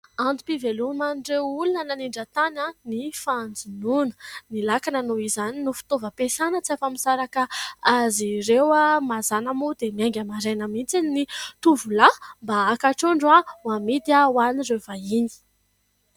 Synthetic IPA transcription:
and̪upivelumanirewulunənaniɳɖ͡ʐat̪ananifand͡zununə̥nilakananoizaninufi̥t̪ovəpesanət͡siafamisaɾakaaziɾewamazanamud̪emiaŋɡʲamaɾenəmit͡sinit̪uvulambaakaʈ͡ʂoɳɖ͡ʐawamid̪iawanirevaini̥

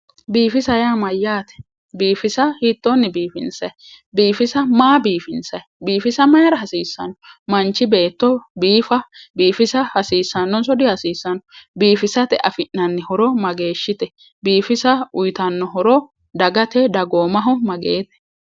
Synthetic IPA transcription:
biːfɪsɐjaːmɐjːaːt̪ɛ̥ | biːfɪsɐhit̪ːonːɪbiːfɪ̰nsɐj | biːfɪsɐmaːbiːfɪnsɐjbiːfɪsɐmɐjɐɾɐɦɐsiːsːɐnɔmɐnt͡ʃːɪbe̞ːt̪ːɔbiːfɐbiːfɪsɐhɐsiːsːɐnːɔnsɔd̪ɪhɐsiːsːɐnɔbiːfɪsɐt̪ɛʔɐfɪʔnːɐnːɪhɔɾɔmɐɡe̞ːʃːɪt̪ɛ | biːfɪsɐʊjt̪ɐnːɔɦɔɾɔ | d̪ɐɡɐt̪ɛd̪ɐɡoːmɐɦɔmɐɡeːt̪ɛ̥

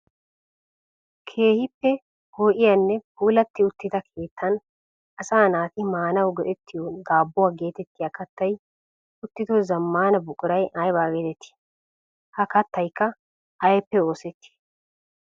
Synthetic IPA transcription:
kʰe̞ːhɪpːɛ | hoːʔɪjɐnːɛbuːlɐt̪ːɪʊt̪ːɪt̪ɐkʰe̞ːt̪ʰːɐn | ɐsaːnaːt̪ɪmaːnɐwɡɛʔɛt̪ːɪjod̪aːbːʊwaːɡe̞ːt̪ɛt̪ːɪjaːkɐt̪ːɐj | ʊt̪ːɪd̪ɔzɐmːaːnɐbʊkʼʊɾɐjɐjbaːɡed̪ɛt̪ːɪ̥ | hɐkɐt̪ːɐjkːɐ | ɐjɛpːɛo̞ːsɛt̪ːɪ̥

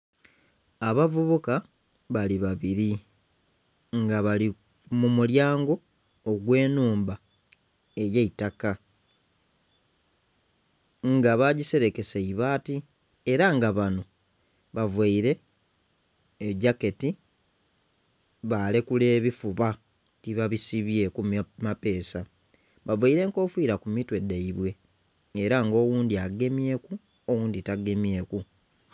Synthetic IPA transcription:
aβavuβuka | βaliβaβiɾi | ŋɡaβali | mumuljaːŋɡo̞ː | ɡwe̞ːnuːmba | e̞jeitaka | ŋɡaβaɟise̞ɾe̞ke̞seiβaːti | e̞ɾaŋɡaβano̞ | βavwaiɾe̞ | ɟake̞ti | βaːlekule̞ːβifuβa | tiβaβisiβje̞kumape̞ːsa | βavaiɾe̞ŋko̞ːfwiːɾakumitwe̞daiβwe̞ː | ɾaŋɡo̞ːwuːndiaɡe̞mje̞ːku | owuːnd̪itaɡe̞mje̞ːku

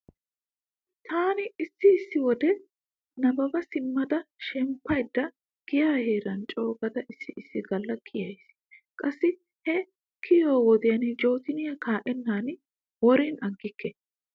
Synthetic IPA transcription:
t̪ʰaːnɪɪsːɪɪsːɪwɔd̪ɛ | nɐbɐbɐsɪmːɐd̪ɐʃɛmpːɐjd̪ːɐ | ɡ̥ɪjaːheːɾɐnt͡ʃʼo̞ːɡɐd̪ɐʔɪsːɪʔɪsːɪɡɐlːɐkʰɪjɐjs | kʼɐsːɪ | hɛ | kʰɪjoːwɔd̪ɪjɐnd͡ʒo̞ːt̪ɪnɪjɐkaːʔɛnːaːn | wɔɾɪnɐɡːɪkːɛ

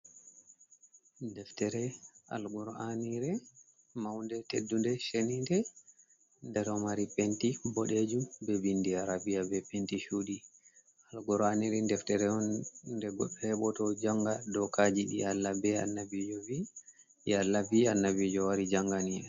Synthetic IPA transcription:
ndɛftɛɾɛa̰lɡɔɾaniɾɛ | mawndɛtedːundɛʃenindɛ | ndɛɾɔmaɾipentibɔɗed͡ʒubɛbindiaɾabiabɛpentiʃuɗi | alɡɔɾaniɾɛndɛftɛɾɛɔnːdɛɡɔɓːɛhɛɓɔtɔd͡ʒaŋɡadɔkad͡ʒiḭjalːabɛa̰nːabid͡ʒɔvi | jalːavianːavid͡ʒɔwaɾid͡ʒaŋɡaniɛ

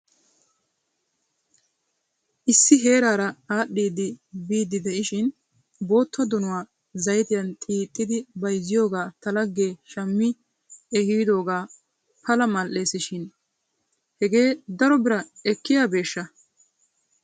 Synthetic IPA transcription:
ʔɪsːɪɦe̞ːɾaːɾɐaːɗːiːd̪ɪbiːd̪ːɪd̪ɛʔɪʃɪn | bo̞ːt̪ːɐd̪ʊnʊwaː | zɐjt̪ɪjɐnt̪ʼiːt̪ʼːɪd̪ɪbɐjzːɪjo̞ːɡaːt̪ɐlɐɡːeːʃɐmːɪ | ɛhiːd̪o̞ːɡaː | pɐlɐmɐlʔe̞ːsɪʃɪn | hɛɡeːd̪ɐɾɔbɪɾɐɛkːɪjaːbe̞ːʃːɐ

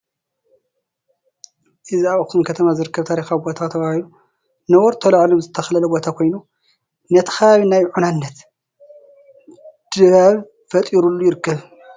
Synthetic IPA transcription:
ʔɨziaβkʰumkʰɐt̪ʰɐmazɨɾɨkːɐβt̪ʰaɾixawibo̞t̪ʰat̪ʰɐβahilu | nɐwɔɾt̪ʰɐlɐʕlomzɨt̪ʰːɐxlɐlɐbo̞t̪ʰakʰo̞jnu | nɐt̪ʰɐ̥xaβaβinajʕunanːɐt̪ | d̪̥ɨβaβ | fɐt̪ʼiɾulːujɪɾɨkːɐβ

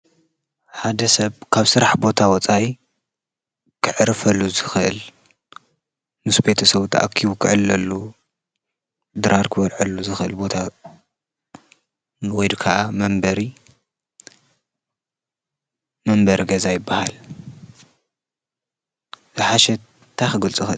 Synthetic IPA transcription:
ħad̪ɐsɐβkʰaβsɨɾaħbo̞t̪ʰawɔt͡sʼaj | kʰɨʕɨɾɨfɐlːuzɨxɨʔɨl | mɨsbe̞t̪ʰɐsɐβt̪ʰaʔa̰kʰiβukʰɨʕɨlːɐlːu | d̪ɨɾaɾkʰɨwɐɾʕɐlːuzɨxɨʔɨlbo̞t̪ʰa | wɔjd̪kʰaʔamɐmbɐɾi | mɐmbɐɾiɡɐzajɪbːahal | zɨħaʃɛ | t̪ʰːajxɨɡɨlt͡sʼɨxɨ

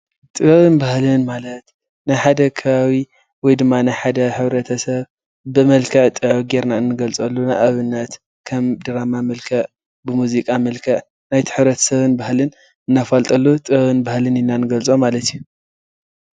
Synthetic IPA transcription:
t̪ʼɨββɨnbahlɨnmalɐt̪ | najħad̪ɐkʰɐβawi | wɔjd̪ɨmːanajħad̪ɐħɨβɾɐt̪ʰɐsɐβ | bɨmɐlkʰɐʕt̪ʼɨʕɡe̞ɾnaɨnːɨɡɐlt͡sʼɐlːunajʔaβɨnːɐt̪ | kʰɐmd̪ɨɾamamɐlkʰɐʕ | bɨmuzikʼamɐlkʰɐʕ | najt̪ʰɨ̥ħɨβɾɐt̪ʰɐ̥sɐβɨnbahlɨn | ɨnːafalt̪ʼɐlːut̪ʼɨβɨnbahlɨnɪnːanɨɡɐlt͡sʼomalɐt̪ʰiju

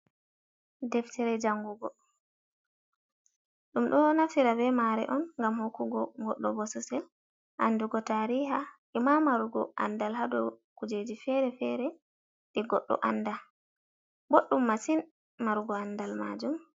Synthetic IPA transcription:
dɛftɛɾɛd͡ʒaŋɡuɡɔ | ɗumɗɔnafiɾabɛmaɾɛ̰ʔɔnŋɡamhokːuɡɔŋɡɔɗːɔbɔsɔsɛl | ʔanduɡɔtaɾihaʔimamaɾuɡɔʔa̰ndalhadɔkud͡ʒed͡ʒifɛɾɛfɛɾɛ | ɗɛɡɔɗːɔ̰ʔa̰nːda | boɗːumːasin | maɾuɡɔandalma̰d͡ʒum

